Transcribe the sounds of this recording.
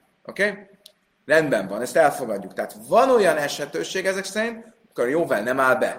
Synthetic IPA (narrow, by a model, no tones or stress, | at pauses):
ʔokeː | rɛnd̪bɛɱvɒnɛst̪ɛlfo̞ɡɒdɟːukt̪ɛɦːt̪vɒno̞jɒnɛʃhɛt̪øːʃeːɡɛzɛksɛɾint̪ | ɒmi̥korjoːvalnɛmaːlbɛ̰